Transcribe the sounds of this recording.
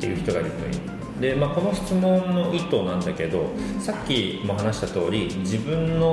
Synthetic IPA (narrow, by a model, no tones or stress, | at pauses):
t̪ːejɯ̟çi̥t̪o̞ɡaiɾɯ̟t̪oḭ | d̪e̞maːko̞no̞çi̥t͡sɨmõ̞nːo̞ʔit̪o̞ːnãnd̪ake̞d̪o̞sakʲːimo̞ɦanaɕi̥t̪at̪o̞ːɾʲid͡ʑibɯ̟̃nːo̞